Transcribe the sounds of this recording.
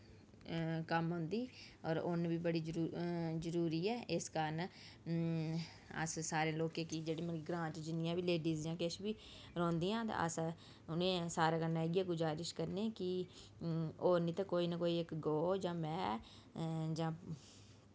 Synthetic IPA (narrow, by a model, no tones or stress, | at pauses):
kəmɦʊ̃nd̪iː | ɔːɾʊnʋiːbəɽiːd͡ʒɾuzəɾuːɾiːɛːʔɪskəɾən | ə̰ssaːɾẽːloːkẽːkid͡ʒeːɽeːməkːɡɾãːt͡ʃd͡ʒɪnɪjãːbiːleːɖiːzjãːkeʃbiː | ɾõːnd̪ijãːt̪a̰ːə̰s | ʊnẽːsaːɾãːkənaːɦɛːɡijaːɡʊzaːɾɪʃkəɾneːkɪ | oːnĩːt̪ãːkoːiːnəkoːiːɪkɡoːd͡ʒãːmɛ̃ː | d͡ʒãː